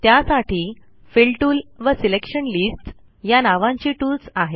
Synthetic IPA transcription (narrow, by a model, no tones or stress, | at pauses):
t̪jasaʈiː | filʈuːlʋəsilekʂənlisʈ | janaʋãɲt͡ɕiːʈuːlsaɦe